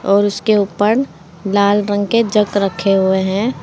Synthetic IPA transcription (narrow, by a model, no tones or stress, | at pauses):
ɔːɾʊskeuːpəɾ | laːlɾə̃ŋɡked͡ʒəɡɾəkʰːeɦʊeɦɛ̃ː